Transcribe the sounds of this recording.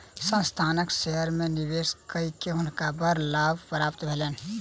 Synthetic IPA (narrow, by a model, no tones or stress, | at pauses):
sə̃nst̪ʰanəkseɦəɾmenibeskəikeɦʊnkabəɾlabʱpɾabt̪bʱelɛn